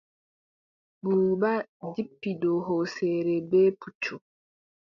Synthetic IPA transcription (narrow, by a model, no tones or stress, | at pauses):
buɾbadipːidɔɦɔsɛːɾɛbɛːput͡ʃːu